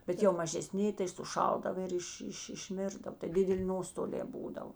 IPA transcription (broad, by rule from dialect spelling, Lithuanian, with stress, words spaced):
bʲɛt jɛʊ mɐʒʲɛˈsʲnʲɪ tɐɪ sʊˈʃɐlˠdɐʋɐ ɪr ˈɪʃ ˈɪʃ ɪʃʲˈmʲɪrdɐw tɐɪ ˈdʲɪdʲɛˌlʲɪ ˈnoːstoːlʲɛː ˈbuːdɐw